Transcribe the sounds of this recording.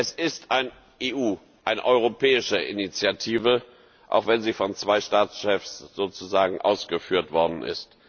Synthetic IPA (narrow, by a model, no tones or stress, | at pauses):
ʔɛsɪstʔaɪn | ʔeːʔuː | ʔaɪnə̰ʔɔʏʁ̞opʰɛːɪʃəʔinit͡sjatʰiːvə | ʔa̰ʊxv̥ɛnziːfɔnt͡sv̥aɪʃtaːt͡sʃɛfsz̥oːt͡suzaːɡŋ̩ʔa̰ʊsɡ̥əfyːɐtv̥ɔɐdn̩ʔɪ̰st